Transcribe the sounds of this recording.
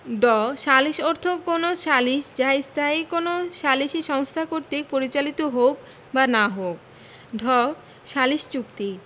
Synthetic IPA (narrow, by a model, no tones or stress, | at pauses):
ɖɔʃaliʃoɾt̪ʰokonoʃaliʃd͡ʑaist̪ʰaikonoʃaliʃiʃɔŋst̪ʰakoɾt̪ipoɾit͡ɕalit̪oɦok | banaɦok̚ | ɖʱɔ | ʃaliʃt͡ɕukt̪i